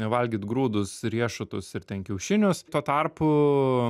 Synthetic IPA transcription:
nʲɛʋɐlʲɡʲit̪ɡɾuːd̪ʊsɾʲiɛʃʊt̪ʊsɪrt̪ʲɛnkʲɛʊʃʲɪnʲʊst̪uɔt̪ɐrpʊ

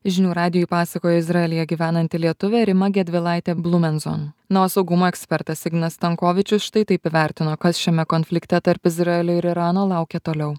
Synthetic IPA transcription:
ʒʲɪnʲuːɾɑːd̪ʲɪjipɑːsɐkoːjoːɪzɾɑɛlʲɪjɛɡʲiːʋʲæːnɐnʲt̪ʲɪlʲiɛt̪ʊʋʲɛɾʲɪmɐɡʲɛd̪ʲʋʲɪlˠɑˑɪt̪ʲɛblˠʊmʲɛnzo̰nnɐʋoːsɒʊɡʊmoːɛksʲpʲɛɾt̪ɐsɪɡnɐst̪ɐŋkoːʋʲɪt͡ʃʲʊsʃt̪ɐɪt̪ɐɪpɪʋʲæˑɾʲt̪ʲɪnoːkɐsʃʲɛmʲɛkɔnʲfʲlʲɪkt̪ʲɛt̪ɐɾpɪzɾɑɛlʲʊːɪɾɪɾɑːnoːlˠɑˑʊkʲɛt̪oːlʲɛʊ

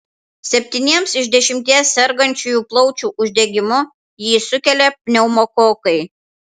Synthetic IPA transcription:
sʲɛpʲt̪ʲinʲiɛmsɪʒʲd̪ʲɛʃʲɪmʲt̪ʲiɛsːʲɛɾɡɐnʲt͡ʃʲujuːplˠɔʊt͡ʃʲuːʔʊʒʲd̪ʲɛɡʲɪmʊ | jiːsʊkʲɛlʲɛpʲnʲɛʊmokoːkɐɪ

